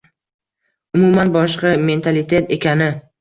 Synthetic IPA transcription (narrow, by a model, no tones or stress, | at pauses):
ʊmumanbɒʃqɑme̞nt̪ʰalit̪ʰet̪e̞kʲʰanɪ